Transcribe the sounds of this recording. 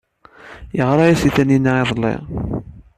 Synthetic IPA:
jəʁɾˤɑjæsiθænːinːaɪðˤlːɪ̰ʁ

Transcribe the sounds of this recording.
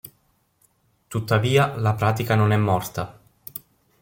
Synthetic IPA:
t̪ut̪ːaviːalapɾaːt̪ikanonɛmːɔrt̪a

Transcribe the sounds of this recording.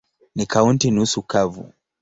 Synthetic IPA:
nikauntinusukavṵ

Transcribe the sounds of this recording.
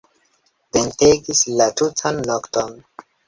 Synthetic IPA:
venteɡislatutʰanːokton

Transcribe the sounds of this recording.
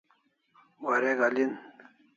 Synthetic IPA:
waɾeɡalin

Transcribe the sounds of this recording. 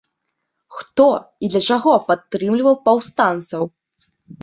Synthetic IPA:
xt̪ɔid̪lʲɐt͡ʂaɣɔpat̪ːɾɨmlʲivɐwpawst̪ant̪sɐw

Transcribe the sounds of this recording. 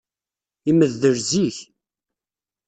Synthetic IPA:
iməðːəɾziç

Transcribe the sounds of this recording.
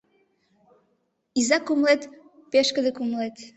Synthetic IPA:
izakomlˠɛt̪pɛʃkɐðɐkomlˠɛt̪

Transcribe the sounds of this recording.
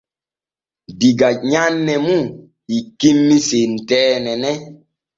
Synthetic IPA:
diɡaɲanːɛmũ | ikimːisentɛːnɛnɛ

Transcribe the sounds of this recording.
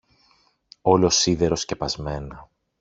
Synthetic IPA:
o̞losiðe̞ɾo̞sce̞pɐzme̞nɐ

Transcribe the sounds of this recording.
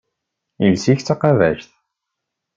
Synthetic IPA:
ilsiçt͡sːaqɑvæ̰ʃθ

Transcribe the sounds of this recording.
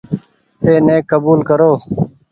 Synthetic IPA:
eːneːkːəbuːlkəɾoː

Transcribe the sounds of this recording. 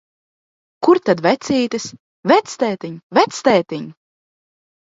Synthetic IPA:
kuɾt̪ad̪væt̪siːt̪ɨs | væt̪st̪ɛːt̪iɲvæt̪st̪ɛːt̪iɲ

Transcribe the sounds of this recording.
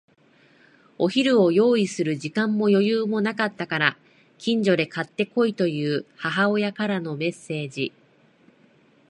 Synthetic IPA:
o̞çiɾɯ̟o̞jo̞ːisɨɾɯ̟ʑikãmːo̞jo̞jɯːmo̞nakat̪ːakaɾa | kʲĩɲ̟d͡ʑo̞d̪e̞kat̪ːe̞ko̞it̪o̞jɯ̟ːhaɦao̞jakaɾano̞me̞sːe̞ːd͡ʑi

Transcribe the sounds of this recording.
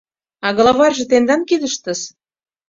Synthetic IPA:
ɑɣɤ̆lˠɑβɑrʒɤ̆t̪end̪ɑnkid̪ə̆ʃt̪ə̆ʃ

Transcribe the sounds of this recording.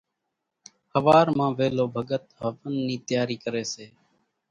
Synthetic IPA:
həʋaːɾmãːʋeːloːbʱəɡət̪ɦəʋənːiːt̪jaːɾiːkəɾeːseː

